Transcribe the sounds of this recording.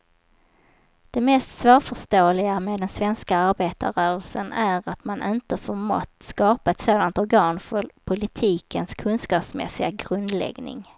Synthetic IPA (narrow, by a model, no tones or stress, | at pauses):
d̪̥ɛmɛːst̪svoːɾfœʂʈoːlɪɡameːd̪ɛnsvɛnskaaɾbeːt̪a̰ɾœːɾəlsənæɾat̪manʔɪnt̪əfoːɾmɔ̰t̪ːskɑːpaɛt̪soːd̪ant̪ɔɾɡɑːnfœɾpʰʊlɪt̪ʰiːkənskʰɵnskɑːpsmɛ̰sɪɡaɡɾɵnd̪lɛ̰ɡnɪ̰ŋ